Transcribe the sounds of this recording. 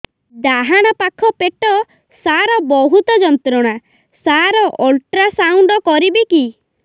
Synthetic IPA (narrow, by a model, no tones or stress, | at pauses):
d̪aɦaɽ̃ɔpakʰɔpeʈɔ | saɾɔbɔɦut̪ɔd͡ʒɔnt̪ɾɔɽ̃a | saɾɔʔolʈɾasawɳɖɔkɔɾibiki